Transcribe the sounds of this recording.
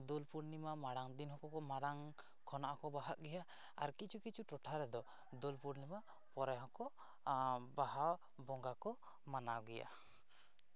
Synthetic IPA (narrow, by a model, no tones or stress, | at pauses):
d̪olpuɾnimamaɽaŋd̪inɦɔkɔkɔmaɽaŋ | kʰɔnaʔakɔbaɦaʔɡɛja | aɾkit͡ʃʰukit͡ʃʰuʈɔʈʰaɾɛd̪ɔ | d̪olpuɾnima | pɔɾɛɦɔkɔ | baɦaw | bɔŋɡakɔ | manawɡɛja̰